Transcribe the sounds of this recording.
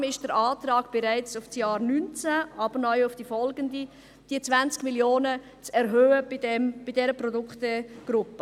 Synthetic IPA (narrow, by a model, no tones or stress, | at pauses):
mɪʃd̥əɾaːtrɑːɡ̥b̥ɛɾaɪt͡sʊfsjaːɾnynt͡saʔɑːbəɾnɔʏʊfd̥iːfɔlɡəndi | d̥iːət͡svant͡skmiljoːnə | t͡sɛɾɦøːəbidɛmb̥idɛɾəprɔdʊkχtəɡ̥ɾʊpə